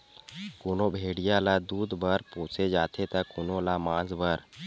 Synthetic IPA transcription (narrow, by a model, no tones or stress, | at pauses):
kʊːnõːbʱeːɽɪjãːlaːd̪uːd̪bəɾpoːt͡ʃed͡ʒaːt̪ʰet̪akʊnõlaːmãːzbəɾ